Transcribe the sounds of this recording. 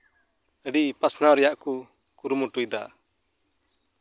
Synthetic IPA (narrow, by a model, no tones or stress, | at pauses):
əɖipasnaɾɛjaʔku | kuɾumɔʈujd̪a̰